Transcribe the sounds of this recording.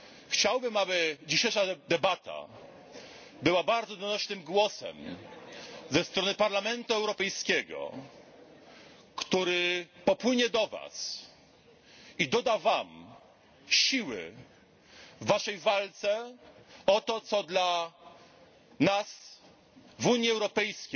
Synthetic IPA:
xt͡ɕawbɘmabɘd͡ʑiɕejʂad̪ɛbat̪a̰ | bɘwabaɾd̪zɔd̪ɔnɔɕnɘmɡwɔsɛ̰m | zɛst̪ɾɔnɘpaɾlamɛnt̪uɛwɾɔpɛjskʲɛɡɔ̰ | kt̪uɾɘpɔpwɘɲɛd̪ɔva̰s | id̪ɔd̪avam | ɕiwɘ̰ | vːaʂɛjvalt̪sɛ | ɔt̪ɔt̪sɔd̪la | nas | vuɲjiɛwɾɔpɛjskʲe

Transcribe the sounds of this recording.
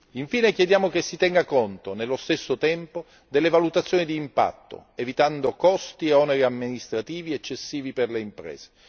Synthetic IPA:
iɱfiːnekjed̪jaːmokesːit̪ɛŋɡakont̪onelːost̪esːot̪ɛmpo | d̪elːevalut̪at̪sːjoːnid̪iːmpa̰t̪ːo̰evit̪and̪okɔst̪ieɔneɾiamːinist̪ɾat̪iːviet͡ʃːesːiːviperleimpɾɛ̰ːz̥e̥

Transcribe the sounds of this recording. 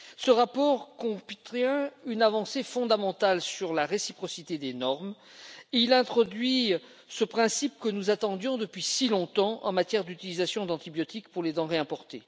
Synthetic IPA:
səʁapɔʁkɔ̃pt̪χɛ̃ynavɑ̃sefɔ̃d̪amɑ̃t̪alsyʁlaʁesipχɔsit̪ed̪enɔʁm | eilɛ̃t̪χɔd̪ɥi | səpχɛ̃sip̚kənuzat̪ɑ̃d̪jɔ̃d̪əpɥisilɔ̃t̪ɑ̃ʔɑ̰̃mat̪jɛʁd̪yt̪ilizasjɔ̃d̪ɑ̃t̪ibjɔt̪ikpuʁled̪ɑ̃ʁeɛ̃pɔʁt̪ḛ

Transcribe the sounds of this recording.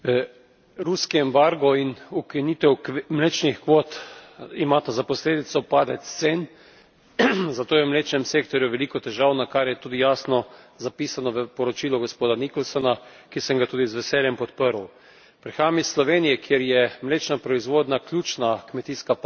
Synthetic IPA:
ɾuskiɛmbaɾɡɔinukinit̪ɛwkmleːt͡ʃnixkʋoːt̪imaːt̪azapɔsleːd̪it̪sɔpaːd̪ɛt̪t̪sen | zat̪oːjɛwmleːt͡ʃnɛmseːkt̪ɔɾjuʋɛlikɔt̪ɛʒaːwnakaɾjɛt̪uːd̪ijaːsnɔ | zapiːsanɔʋəpɔɾɔt͡ʃilɔɡospoːd̪anikɔlsɔna | kisɛŋɡat̪uːd̪izʋɛsɛːljɛmpɔt̪pəɾw | pɾɛxaːmislɔʋeːnijɛkʰjeɾjɛmleːt͡ʃnapɾɔizʋoːd̪naklʲjuːt͡ʃnakmɛt̪iːskap

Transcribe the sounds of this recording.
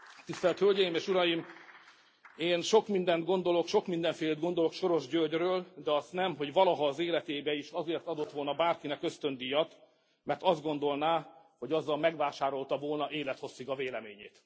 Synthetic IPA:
t̪ist̪ɛlt̪hølɟɛjimeːʃuɾɒjim | eːnʃo̞kmind̪ɛnt̪ɡo̞nd̪o̞lo̞kʃo̞kmind̪ɛɱfeːled̪ɡo̞nd̪olo̞kʃo̞ɾo̞ʒɟørɟrøːld̪ɛɒst̪nɛmɦo̞ɟʋɒlɒɦɒːzeːlɛt̪eːbɛiʃɒzeːrt̪ɒd̪o̞t̪ʋo̞lnɒbaːrkinɛkø̞st̪ø̞nd̪ijɒt̪ | mɛrt̪ɒzd̪ɡo̞nd̪o̞lnaː | ho̞ɟɒzːɒlmɛɡʋaːʃaːɾo̞lt̪ɒvo̞lnɒʔeːlɛt̪ho̞sːikɒveːlɛmeːɲeːt̪

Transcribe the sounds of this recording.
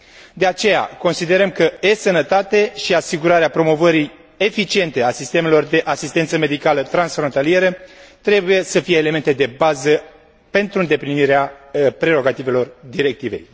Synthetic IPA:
d̪e̞at͡ʃe̞ja̰ko̞nsid̪e̞ɾəmkəesənət̪at̪e̞ʃiasiɡuɾaɾeapɾo̞mo̞vəɾij | efit͡ʃie̞nt̪e̞asist̪e̞me̞lo̞rd̪e̞ʔasist̪e̞nt̪səme̞d̪ikalət̪ɾansfɾont̪alije̞ɾət̪ɾe̞buje̞səfijeːle̞me̞nt̪e̞d̪e̞bazə | pe̞nt̪ɾuɨnd̪e̞pliniɾeapɾe̞ɾo̞ɡat̪ive̞lo̞rd̪iɾe̞k̚t̪ivḛj

